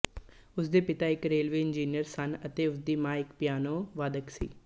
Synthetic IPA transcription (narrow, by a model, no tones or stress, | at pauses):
ʊsd̪eːpɪt̪aːɪkɾeːlʋeːɪnd͡ʒiːnijəɾsɐnət̪eːʊsd̪iːmãːɪkpjaːnoːʋaːd̪əksḭː